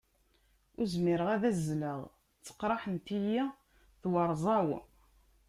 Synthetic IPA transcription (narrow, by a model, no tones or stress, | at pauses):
ʊɾzmiɾəʁæðæzːləʁ | t͡sːə̥qːɾˤɑħənt̪ijæ | θwɑɾˤzˤɑw